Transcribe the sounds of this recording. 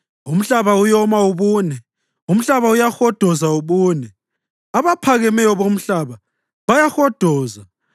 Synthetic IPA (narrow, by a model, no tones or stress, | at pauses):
um̩ɬaβaujɔmauβuːnɛ | um̩ɬaβaujaxɔd̥ʱɔzauβuːnɛ | aβapʰaɣɛmɛjɔβom̩ɬaβa | βajaxɔd̥ʱɔːza